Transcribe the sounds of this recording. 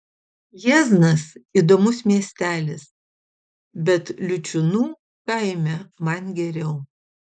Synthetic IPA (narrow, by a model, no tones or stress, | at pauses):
jɛznɐsiːˑd̪oːmʊsmʲiɛsʲt̪ʲæːlʲɪs | bʲɛt̪lʲʊt͡ʃʲʊnuː | kɐɪmʲɛmɐnɡʲɛɾʲɛʊ